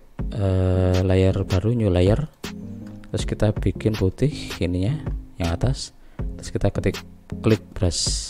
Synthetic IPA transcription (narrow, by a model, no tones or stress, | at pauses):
ʔəlajərb̥a̤ɾuɲulajər | t̪ɾʊskit̪ab̥i̤kɪnput̪ɪhiniɲajaŋat̪as | t̪ɾʊskit̪akətɪkːlɪk̚b̥ɾas